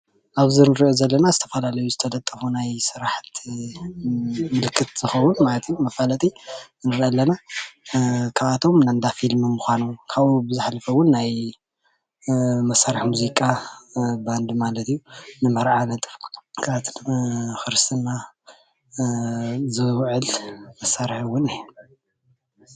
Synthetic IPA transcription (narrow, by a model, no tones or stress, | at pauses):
ʔaβzɨɾnɨɾiʔozɐlːɐnazɨt̪ʰɐfɐlalɐjuzɨt̪ʰɐlʼɐt̪ʼːɐfunajsɨɾaħt̪ | mɨlkʰːɨt̪z̥ɨxɐwʊnmalɐt̪ʰijːumɐfalɐt̪ʼi | nɨɾʔɐlːɐna | kʰaβat̪ʰo̞mnand̪afilmɨmuxʷanukʰaβubɨzɨħalɐfɐwʊnːaj | mɐsːaɾɨħmuzikʼa | band̪malɐt̪ijunɨmɐɾʕanɐt̪ʼɨfkʰaβat̪ʰxɨɾst̪ʰɨnːa | zɨwʕɨlmɐsaɾħɨwːʊnhn